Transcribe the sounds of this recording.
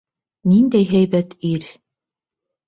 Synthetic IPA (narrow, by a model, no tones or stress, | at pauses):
nind̪æjɦæjbæt̪iɾ